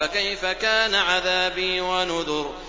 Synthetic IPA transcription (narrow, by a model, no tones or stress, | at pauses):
akajfakaːnaʕaðaːbiːwanʊðʊɾ